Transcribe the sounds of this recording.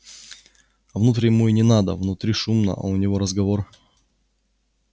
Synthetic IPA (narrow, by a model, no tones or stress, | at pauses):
vnut̪ɾʲjɪmuinʲɪnad̪ə̰vnʊt̪ɾʲiʂumnə̰ʔɐ̰ʊnʲɪvo̞ɾəzɡɐvor